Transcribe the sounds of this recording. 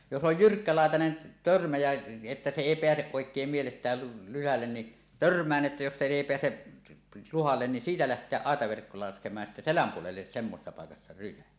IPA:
jos oj jyrkːælɑˑetɑnen tørmæ jæ etːæ se eˑi peæseʔ ʔoˑekˑeːm mielestˑæːl lyhælːen ni tørmˑæːn ʔetːæ jos se eˑi peæse luhɑlːen ni siːtæ læhtˑeæʔ ʔɑˑetɑʋerkːo lɑskemˑɑːj jɑ sitːæ selæm puolelːes semːosesːɑ pɑˑekɑsːɑ rysæ

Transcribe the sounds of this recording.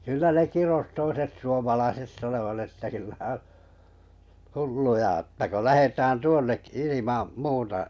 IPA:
kylːæ ne kiros toiset suomɑlɑiset sɑnoʋɑt etːæ kylːæ on̞ hulːujɑ ətːæ ko læhetæːn tuonːekːi̥ ilimɑm muːtɑ

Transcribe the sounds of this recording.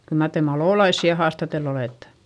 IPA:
kyl mɑr te mɑloˑlɑisːi jɑ hɑːstɑtelː oleˑtːe̥

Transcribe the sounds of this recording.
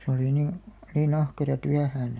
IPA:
se oli nin̞ nin ɑhkerɑ tyæhæːn

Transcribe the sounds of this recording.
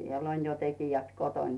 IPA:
siel on jo tekijæt koton

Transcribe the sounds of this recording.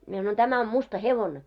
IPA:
mie sɑnoin tæmæ om mustɑ heʋone

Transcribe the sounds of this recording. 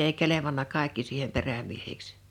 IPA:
ei keleʋɑnːɑ kɑˑekːi siːhem peræmiehiks

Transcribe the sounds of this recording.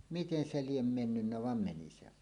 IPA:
miten se liem menːynːæ ʋɑm meni se ʋɑˑen

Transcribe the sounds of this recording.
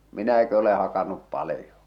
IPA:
minæki ole hɑkɑnːup pɑlĭjo

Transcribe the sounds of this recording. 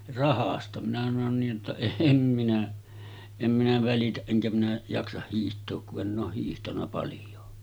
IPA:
rɑhɑstɑ minæ sɑnon niːj jotːɑ eːm minæ em minæ ʋælitæʔ ʔeŋkæ minæ jɑksɑh hiːhtˑoːk kuʔ ʔenˑ oːh hiːhtɑnˑɑ pɑljˑoː

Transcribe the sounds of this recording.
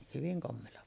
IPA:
hyʋiŋ komːeːlːɑ

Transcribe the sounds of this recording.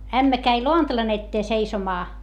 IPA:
æmːæ kæi loɑntɑlɑn etːeː seisomɑː

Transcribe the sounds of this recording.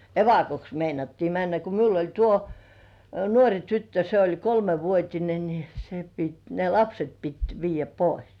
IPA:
eʋɑkoks meinɑtːiː mænːæ ko miul olʲ tuo nuorʲi tytːø se olʲ kolmeʋuotʲine ni se pit ne lɑpset pit ʋiːjːæ pois

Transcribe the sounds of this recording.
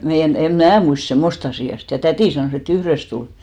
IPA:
meijæn em mæː muist semːost ɑsiˑɑ sit jɑ tætiˑ sɑnoˑs et yhrest tul

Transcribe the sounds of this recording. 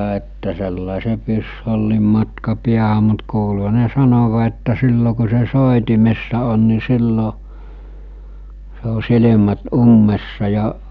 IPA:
etːæ selːɑˑise pysholːim mɑtkɑ piæhæ mut kuːlu̥ɦɑ̥ ne sɑnoʋɑ etːæ silːo ku̞ se soˑetimesːɑ on ni silːo se o silemæt umːesːɑ jɑ

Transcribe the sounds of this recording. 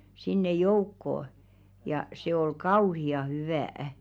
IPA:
sinːe joukːoː jɑ se ol kɑuhiɑ hyʋæˑæ̆

